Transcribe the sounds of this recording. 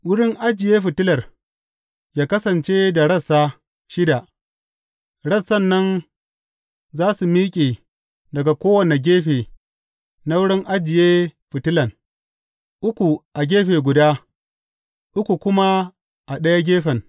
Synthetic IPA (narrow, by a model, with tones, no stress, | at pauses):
wʊ˦ɽɪ˦ŋʔa˦d͡ʒɪ˨jeː˦ɸɪ˨tɪ˦lɐ˨r | jaː˦kɐ˦sɐ˨nt͡ʃe˦da˨ɽɐ˦˨sːa˦ | ʃɪ˦da˨ʔ | ɽɐ˦sːɐ˦˨nːɐ˦n | zaː˦su˨miː˦kʲʼeː˨ | dɐ˨ɡa˨kʷoː˦wɐ˨ne˨ɡʲeː˦ɸeː˨ | na˦wʊ˦ɽɪ˦ŋʔa˦d͡ʒɪ˨jeː˦ɸɪ˨tɪ˦lɐ˨n | ʔʊ˦kʷu˨ʔa˨ɡʲeː˦ɸeː˨ɡʷʊ˨daː˦ | ʔʊ˦kʷu˨kʷʊ˦ma˦ | ʔa˨ɗɐ˦ja˦ɡʲeː˦ɸɛ˨n